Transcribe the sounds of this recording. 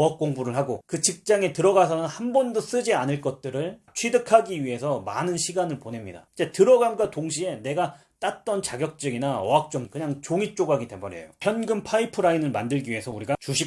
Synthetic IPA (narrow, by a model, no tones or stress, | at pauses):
ak̚k͈oŋbuɾɯɭɦaɡokɯt͡ɕik̚t͡ɕ͈aŋe̞tɯɾʌɡas̬ʰʌnɯnhambʌndos͈ɯd͡ʑianɯɭk͈ʌt̚t͈ɯɾɯɭt͡ɕʰwidɯkʰaɡiɥiɦe̞sʰʌma̰nɯnɕʰiɡanɯɭpone̞mɲida̰id͡ʑe̞tɯɾʌɡamɡatoŋɕ̬ʰie̞ne̞ɡa | t͈at̚t͈ʌnt͡ɕaɡjʌk̚t͡ɕ͈ɯɡinaʌ̰ak̚t͡ɕ͈omkɯɲaŋt͡ɕoŋit͡ɕ͈oɡɦaɡidebʌɾḛjopʰjʌnɡɯmpʰaipʰɯɾainɯɭmandɯɭɡiɥie̞sʰʌuɾiɡat͡ɕuɕʰi